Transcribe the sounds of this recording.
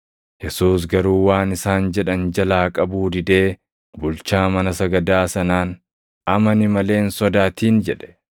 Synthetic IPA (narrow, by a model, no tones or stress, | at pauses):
jɛsuːs̬ɡɐɾuːwaːnɪsaːnd͡ʒɛᶑɐnd͡ʒɐlaːkʼɐbuːd̪ɪd̪e̞ː | bʊlt͡ʃaːmɐnɐsɐɡɐd̪aːsɐnaːn | ɐmɐnɪmɐle̞ːnsɔd̪aːt̪iːnd͡ʒɛᶑɛ̥